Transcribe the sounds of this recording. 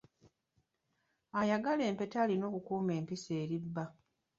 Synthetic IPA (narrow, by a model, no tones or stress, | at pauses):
ajaɡale̞ːmpe̞taːlino̞ːkukuːme̞ːmpiseːɾibːa